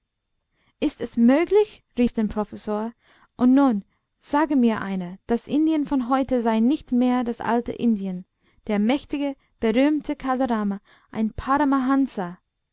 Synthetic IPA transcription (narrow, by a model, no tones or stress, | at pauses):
ʔɪstɛsmøːɡlɪç | ʁiːfd̥eːnpʁ̥ofɛsoːɐ | ʔʊntnuːn | z̥aːɡəmiːɐʔa̰ɪnəd̥asʔɪndiənfɔnɦɔʏtəzaɪnɪçtmeːɐdasʔa̰ltə̰ʔɪndiən | d̥eːɐmɛçtɪɡə | b̥əʁyːmtʰəkʰaloʁaːma | ʔa̰ɪnpʰaɾamaɦansa